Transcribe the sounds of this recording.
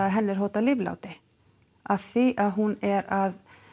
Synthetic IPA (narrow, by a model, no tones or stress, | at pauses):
aðɦɛnːɪɾ̥ɦowt̪alɪvla̰wt̪ɪ | aðθiʔaðɦunɛɾað